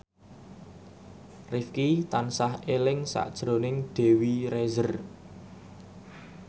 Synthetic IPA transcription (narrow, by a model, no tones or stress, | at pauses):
rifkit̪ansahelɪŋsa̰ʔd̥ʒ̥ɾo̤nɪŋd̪̥e̤wiɾezər